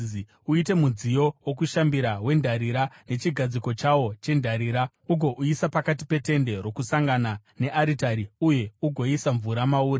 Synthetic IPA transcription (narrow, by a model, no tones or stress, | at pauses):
uite̞mud͡zijo̞wok̬uʃambiɾawe̞ndʱaɾiɾane̞t͡ʃiɡʱad͡ziko̞t͡ʃawo̞t͡ʃe̞ndʱaɾiːɾa | uɡʱo̞ʔuisapakat̬i̥pe̞te̞nde̞ro̞kusaŋɡanane̞ʔaɾitaɾiuje̞uɡʱo̞isaɱvuɾamauːɾe